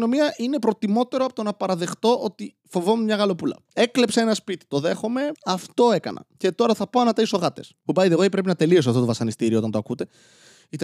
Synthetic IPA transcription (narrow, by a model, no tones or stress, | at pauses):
nomiɐʔine̞pɾo̞t̪imo̞t̪e̞ɾoɐpot̪onɐpɐɾɐðe̞xt̪o̞ʔo̞t̪i | fo̞vo̞memɲɐɣɐlo̞pulɐ̰e̞kle̞pseenɐspit̪i̥t̪o̞ðe̞xo̞me̞ɐft̪o̞e̞kɐ̰nɐ̰ce̞t̪o̞ɾɐθɐpoɐnɐt̪ɐiso̞ɣɐt̪e̞spubɐjðeɣoipɾe̞pinɐt̪e̞lio̞s̬oɐft̪ot̪ovɐsɐnist̪iɾioo̞t̪ɐnt̪oɐkut̪e̞ | it̪e